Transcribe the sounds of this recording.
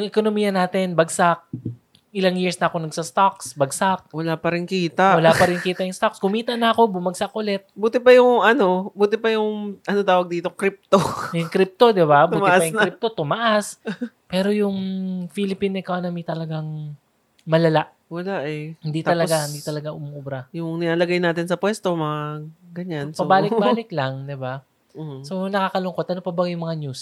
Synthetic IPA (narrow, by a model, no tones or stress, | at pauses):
ʊŋʔɛkonomiːjɐnaːt̪ɛnbɐɡsak̚ | ʔɪlaŋjiɹsnɐʔɐko̞nɐɡsɐst̪aksbɐɡsak̚wɐlapɐɾɪnkiːt̪aʔwɐlapɐɾɪnkiːt̪ɐʔjʊŋst̪okskʊmiːt̪ɐnɐɐko̞bʊmɐɡ̚sakʔʊlɛt̪̚buːt̪ɪpɐjʊŋɐno̞buːt̪ɪpɐjʊŋʔɐnot̪aːwɐɡ̚d̪iːt̪okɾip̚t̪ojʊŋkɾip̚t̪o̞d̪ɪbabuːt̪ɪpɐjʊŋkip̚t̪o̞t̪ʊmaʔas | pɛːɾo̞jʊŋfilɪpinɛkonɐmit̪ɐlɐɡaŋ | mɐlɐlaʔ | wɐlaʔɛhɪnd̪it̪ɐlɐɡahɪnd̪it̪ɐlɐɡaʔʊmuʔubɾɐjʊŋnɪnaːlɐɡajnaːt̪ɪnsɐpwɛst̪o̞mɐŋaɡɐɲansɐbaːlɪk̚baːlɪklaŋd̪ɪba | so̞nɐkaːkɐlʊŋko̞t̪ʔɐnopɐbɐŋjʊŋmɐŋaɲjus